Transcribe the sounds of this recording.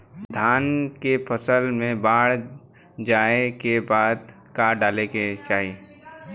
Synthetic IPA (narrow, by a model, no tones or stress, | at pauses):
d̪ʱaːnkepʰəsəlmẽbaːɽ | d͡ʒaːekebaːd̪ | kaɖaːleket͡ʃaːɦi